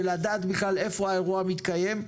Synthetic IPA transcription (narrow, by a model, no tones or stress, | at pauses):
elad̪aːt̪biχlale̞fo̞aeʁuamit̪kaje̞m